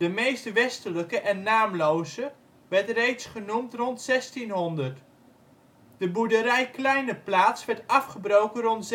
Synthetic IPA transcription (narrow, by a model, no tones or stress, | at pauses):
dəmejstʋɛstələkəʔɛnːaːmlowzə | ʋɛɹtrejtsχənumtrɔntsɛstinɦɔndəɹt | d̥əbudəɾɛjklɛjnəplaːtsʋɛɹtɑfχəbrowkənrɔnts